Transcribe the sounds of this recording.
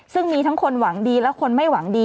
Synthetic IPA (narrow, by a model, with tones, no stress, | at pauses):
sɯ˥˩ŋmiː˧t̪ʰa˦˥ŋkʰo˧nwa˩˦ŋdiː˧lɛ˦˥wkʰo˧nma˥˩jwa˩˦ŋdiː˧